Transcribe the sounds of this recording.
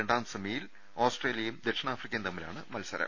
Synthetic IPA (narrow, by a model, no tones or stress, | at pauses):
eɳɖaːmsɐmiːjil | oːsʈreːlijɐjumd̪e̞kʂɐɳaːfrikʲːɐjnt̪ɐmːilaːɳɨmɐlsɐɾɐ̰m